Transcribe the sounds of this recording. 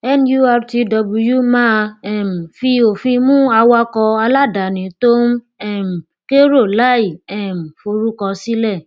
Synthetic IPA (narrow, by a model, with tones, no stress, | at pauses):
ɛ˦nju˦˧a˧ɾte˧dɔ˧bu˧ju˦mã˦ɛ˦˨m̩˨fi˧o˨fĩ˧mũ˦a˧wa˧kɔ˧a˧la˦da˨nĩ˨˦to˦ | ɛ˦˨m̩˨ | ke˦ɾo˦˨la˦i˨ɛ˦˨m̩˨fo˧ɾu˦kɔ˧si˦lɛ˦˨